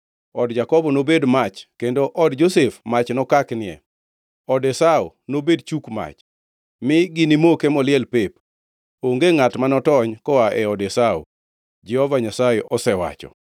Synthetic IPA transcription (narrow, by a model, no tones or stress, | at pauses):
ɔdd͡ʒakɔbɔnobedmat͡ʃkendoʔɔdd͡ʒosefmat͡ʃnɔkaknɪɛ̰ | ɔdɛsao̰nobedt͡ʃukma̰t͡ʃ | mɪɡɪnimokemɔlɪɛlpep | oŋɡeŋatmanɔtɔɲkɔaʔɛɔdɛsao̰ | d͡ʒɛhɔvaɲasajeʔɔsɛwa̰t͡ʃɔ̰